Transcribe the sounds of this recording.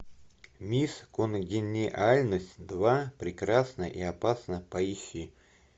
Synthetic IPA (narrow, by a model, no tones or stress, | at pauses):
mʲiskonɡʲɪnʲɪʔalʲnəsʲtʲd̪vapɾʲɪkɾasnəʔiɐpasnəpɐiɕi